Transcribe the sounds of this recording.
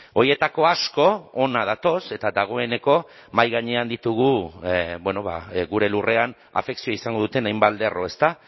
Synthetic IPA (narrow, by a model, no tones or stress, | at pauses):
o̞ɾjie̞t̪ako̞asko̞onað̞at̪o̞se̞t̪ad̪aɣ̞o̞e̞ne̞ko̞ | majɣaɲe̞and̪it̪uɣubweno̞βa̰ɣuɾe̞lure̞an | a̰fe̞ksioaisaŋɡo̞ð̞ut̪e̞najmbald̪e̞rʔo̞e̞st̪a